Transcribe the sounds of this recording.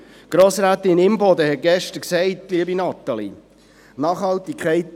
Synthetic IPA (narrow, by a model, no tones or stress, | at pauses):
ɡ̥ɾoːsɾaːt̪ɪnɪmbɔd̪əhɛt̚ɡ̥ɛʃtəɾksɛɪtliəbinɑt̪ːɑlḭ | nɑːχhɑltikχɛɪt